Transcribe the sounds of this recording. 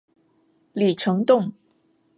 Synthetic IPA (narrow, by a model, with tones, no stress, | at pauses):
li˨˩ʈ͡ʂʰɤ˧˥ŋt̪ʊ˥˩ŋ